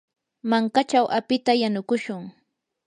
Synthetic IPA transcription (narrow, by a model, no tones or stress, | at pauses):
maŋkat͡ʃawʔapɪt̪ajanʊkʊʃʊŋ